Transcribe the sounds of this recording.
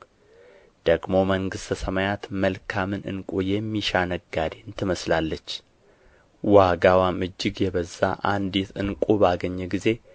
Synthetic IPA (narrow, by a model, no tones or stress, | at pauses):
d̪̥əɡmo̞məŋɡɨst̪ʰəsəmajat̪məlkʰamɨnɨ̰nkʼujɛmːiʃanəɡad̪iɨnt̪ʰɨməslalːət͡ʃː | waɡawamɨd͡ʒːɨɡjɛβəzːa̰ʔa̰nd̪it̪ɨnkʷʼubaɡəɲːɛɡize̞